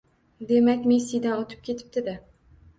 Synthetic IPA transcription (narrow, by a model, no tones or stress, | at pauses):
d̪e̞makʲmesijd̪anot̪ʰɪ̥p̚kʲʰe̞t̪ʰɪ̥p̚t̪ɪd̪ɪ